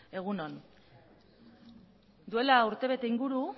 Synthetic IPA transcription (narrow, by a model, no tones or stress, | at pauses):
e̞ɣ̞uno̞n | d̪ue̞lauɾt̪e̞β̞e̞t̪e̞iŋɡuɾu